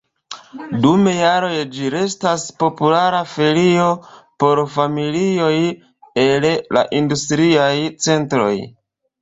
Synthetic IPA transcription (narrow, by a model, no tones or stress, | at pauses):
dume̞jaɾo̞jd͡ʒiɾe̞staspo̞pulaɾafe̞lio̞po̞ɾfamilio̞j | e̞lla̰ʔindustɾiajt͡se̞ntɾo̞̰j